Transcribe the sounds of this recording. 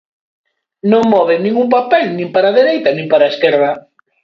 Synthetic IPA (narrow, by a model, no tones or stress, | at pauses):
nõŋmɔβeŋnĩŋɡuŋpapɛlnĩmpaɾaðeɾejt̪ɐnĩmpaɾaeskɛɾðɐ